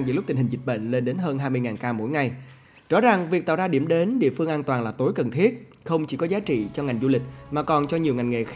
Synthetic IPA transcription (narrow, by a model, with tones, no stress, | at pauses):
ŋzɨ̰˧˩lʊ˦˥k͡p̚t̪ï̟˨˩hi̟˨˩zi˨˩t̚ɓə̰˧˨ŋ̟le˧nɗe˨˦nɦəː˧nɦaː˧jmɨ˧jŋaː˨˩nkaː˧mo̰˧˥jŋa˨˧˩j | zɔ̰˧˥za˨˩ŋvi˨˩k̚t̪a̰ː˧˨wzaː˧ɗi˧˩əmɗe˨˦nɗḭ˧˨əfɨ˧əŋʔaː˧nt̪waː˨˩ŋlaː˨˩t̪o˨˦jkə˨˩nt̪ʰi˦˥ət̚ | xə˧wŋ͡mt͡ɕi˧˩kɔ˨˦zaː˨˦t͡ɕḭ˧˨t͡ɕɔ˧ŋa˨˩jŋzu˧lï˨˩k̟̚maː˨˩kɔ˨˩nt͡ɕɔ˧ɲi˨˩əwŋa˨˩jŋŋḛ˧˨x